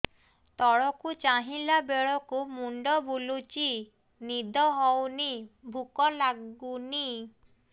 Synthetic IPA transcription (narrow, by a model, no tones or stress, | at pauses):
t̪ɔɹɔkut͡ʃaɦilabɛɹɔkumundɔbulut͡ʃi | nid̪ɔɦɔwnibʱukɔlaɡuni